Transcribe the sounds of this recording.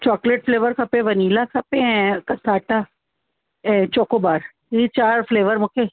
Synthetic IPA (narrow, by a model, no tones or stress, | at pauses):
t͡ʃɔːkleʈ̚fleːʋəɾkʰɐpẽʋɐniːlakʰɐpẽɦɛ̃kɐsaːʈa | ɛ̃t͡ʃoːkobaːɾ | it͡ʃaːɾfleːʋəɾmʊkʰe